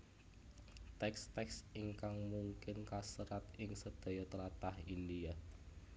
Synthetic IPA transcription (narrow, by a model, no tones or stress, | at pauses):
t̪ɛkst̪ɛksiŋkaŋmuŋkɪnkasəɾat̪ɪŋsəd̪̥a̤jɔt̪əlat̪ahindia